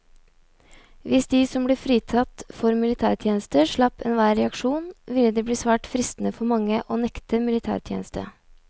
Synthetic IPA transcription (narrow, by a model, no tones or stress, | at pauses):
ʋɪsd̪iːsɔmbliːfɾiːt̪ʰɑt̪fɔɾmɪlɪt̪ʰæːɾt̪ʰjeːnəst̪əʂɭɑpːɛ̰nʋæːɾɛɑkʂuːnʋɪlːəd̪eːbliːsʋæːʈfɾɪst̪ən̩əfɔɾmɑŋːəʔoːnɛkt̪əmɪlɪt̪ʰæ̰ːɾt̪ʰjḛnəst̪ə̰